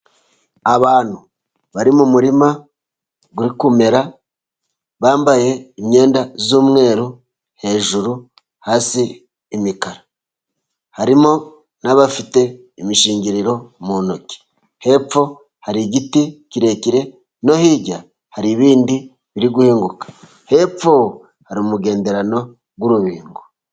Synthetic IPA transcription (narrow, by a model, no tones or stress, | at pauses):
aβaːn̥hu | βaɾimumuɾima | ɡuɾikume̞ɾa | βaːmbaje̞iɲe̞ːndazuːmŋe̞ːɾu | he̞ːʒuɾu | haːsiː | mikaɾa | haɾimo̞ | naβafite̞ | imiʃiːɲɟiɾiɾo̞munoci̥ | he̞p͡fo̞ | haɾiɟiticiɾe̞ciɾe̞ | no̞hiɟa | haɾiβiːndi | βiɾiɡuhiːŋɡukḁ | he̞p͡ffo | haɾimuɡe̞ːnde̞ɾano̞ | ɡwuɾuβiːŋɡo